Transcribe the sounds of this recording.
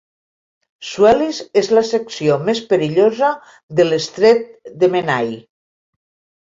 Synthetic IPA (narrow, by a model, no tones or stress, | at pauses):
suɛlizezlaseksiomespəɾiʎozə | ðəlest̪ɾet̪̚d̪emenaj